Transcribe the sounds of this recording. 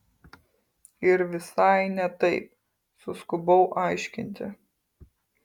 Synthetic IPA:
ɪɾʋʲɪsɐɪnʲɛt̪ɐɪp̚ | sʊskʊbɐʊʔɑɪʃʲkʲɪnʲt̪ʲɪ̰

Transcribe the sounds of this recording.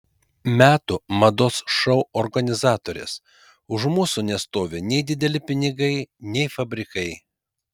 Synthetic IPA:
mʲæːt̪umɐd̪oːsʃɐʊɔɾɡɐnʲɪzɑːt̪oːɾʲḛːs | ʊʒmuːsuːnʲɛst̪oːʋʲɪnʲɛɪd̪ʲɪd̪ʲɛlʲɪpʲɪnʲɪɡɐɪnʲɛɪfɐbʲɾʲɪkɐɪ

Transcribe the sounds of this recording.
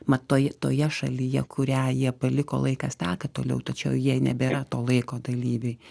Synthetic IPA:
mɐt̪oːjɛt̪oːjɛʃɐ̰lʲɪjɛ̰kʊɾʲæːjiɛpɐlʲɪko̰ːlˠɐɪkɐst̪ʲæːkɐt̪oːlʲɛ̰ʊt̪ɐt͡ʃʲɛʊjiɛnʲɛ̰bʲeːɾɐt̪oːlˠɐɪkoːd̪ɐlʲiːʋʲeɪ

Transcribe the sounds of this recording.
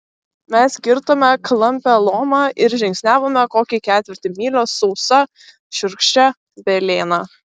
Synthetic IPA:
mʲɛskʲɪɾt̪oːmʲɛklˠɐmʲpʲɛlˠoːmɑːʔɪɾʒʲɪŋʲksʲnʲæːʋoːmʲɛkoːkʲikʲæːt̪ʲʋʲɪɾʲt̪ʲɪmʲiːlʲoːsɔʊsɐ | ʃʲʊɾkʃʲt͡ʃʲɛ | bʲɛlʲeːnɑ

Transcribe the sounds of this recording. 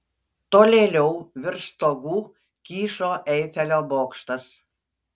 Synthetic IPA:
t̪oːlʲeːlʲɛʊʋʲɪɾst̪oːɡuː | kʲiːʃoːʔɛɪfʲɛlʲoːboːkʃt̪ɐs

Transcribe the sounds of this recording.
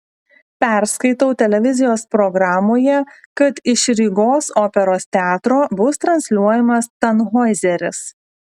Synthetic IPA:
pʲæˑɾskɐɪt̪ɐʊt̪ʲɛlʲɛʋʲɪzʲɪjoːspɾɔɡɾɑːmoːjɛkɐt̪ɪʃɾʲɪɡoːsoːpʲɛɾoːst̪ʲɛɑːt̪ɾoːbʊst̪ɾɐnʲsʲlʲuɔjɛmɐst̪ɐnɦoɪzʲɛɾʲɪ̰s

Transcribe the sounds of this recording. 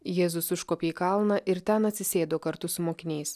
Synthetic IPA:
jeːzʊsʊʃkoːpʲeːikɐlˠnɐʔɪɾt̪ʲɛnɐt̪ʲsʲɪsʲeːd̪oːkɐɾt̪ʊsʊmoːkʲɪnʲɛɪs

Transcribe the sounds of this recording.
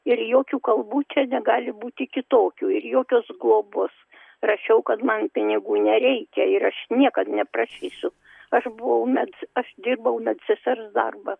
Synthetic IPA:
ɪrjoːkʲuːkɐlˠbuːt͡ʃʲɛnʲɛɡɑːlʲɪbuːt̪ʲɪkʲɪt̪oːkʲuːɪrjoːkʲoːsɡlˠoːboːs | rɐʃʲɛʊkɐt̪mɐnpʲɪnʲɪɡuːnʲɛɾʲɛɪkʲɛɪɾɐʃnʲiɛkɐt̪nʲɛprɐʃʲiːsʲʊ | ɐʃbʊʋɐʊmʲɛdsɐʃd̪ʲɪrbɐʊmʲɛd̪ʲsʲɛsʲɛrsd̪ɐ̰rbɐ

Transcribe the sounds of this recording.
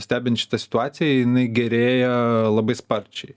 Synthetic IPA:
sʲt̪ʲæːbʲɪnt̪ʃʲɪ̥t̪ɐsʲɪ̥t̪ʊɑːt̪sʲɪjɛjɪnɐɪɡʲɛɾʲeːjɛlˠɐbɐɪspɐɾʲt͡ʃʲɛɪ

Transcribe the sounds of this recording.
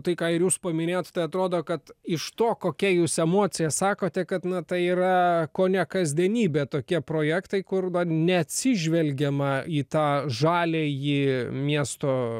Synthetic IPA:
t̪ɐɪkɑːɪɾjuːspɐmʲɪnʲeːjot̪t̪ɐɪɐt̪ɾoːd̪oːkɐt̪ɪʃt̪oːkoːkʲɛjuːsɛmoːtt͡ssʲɪjɛsɑːkoːt̪ʲɛkɐt̪nɐt̪ɐɪiːɾɐkoːnʲɛkɐzʲd̪ʲiɛnʲiːbʲeːt̪oːkʲiɛpɾoːjækt̪ɐɪkʊrd̪ɐnʲɛɐt̪ʲsʲɪʒʲʋʲɛlʲɡʲɛmɐiːt̪ɑːʒɑːlʲeːjiːmʲiɛst̪oː

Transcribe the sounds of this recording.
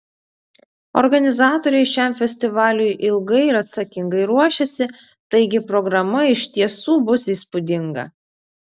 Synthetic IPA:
ɔ̰ɾɡɐnʲɪzɑːt̪ɔɾʲɛɪʃʲæˑmfʲɛsʲt̪ʲɪʋɑːlʲʊjʔɪlˠɡɐɪɪɾɐt̪sɐkʲɪŋɡɐɪɾuɔʃʲɛsʲɪ | t̪ɐɪɡʲɪpɾɔɡɾɐmɐɪʃʲt̪ʲiɛsuːbʊsiːspʊd̪ʲɪŋɡɐ̰

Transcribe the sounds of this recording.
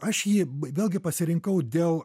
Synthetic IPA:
ɐʃjiːʋʲeːlˠʲɡʲɪpɐsʲɪɾʲɪŋkɐʊd̪ʲeːlˠ

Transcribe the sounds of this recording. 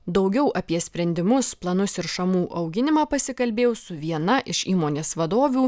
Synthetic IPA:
d̪ɒʊɡʲɛʊʔɐpʲiɛsʲpʲɾʲɛnʲd̪ʲɪmʊsplˠɐnʊsɪɾʃɐmuːʔɐʊɡʲɪnʲɪmɑːpɐsʲɪkɐlʲbʲeːjʊsʊʋʲiɛnɐʔɪʃiːmoːnʲeːsʋɐd̪oːʋʲuː

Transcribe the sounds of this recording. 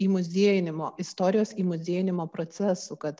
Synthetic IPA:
iːmʊzʲiɛjɪnʲɪmoːɪst̪oːɾʲɪjoːsiːmʊzʲeɛjɪnʲɪmoːpɾoːt̪sʲɛsukɐt̪

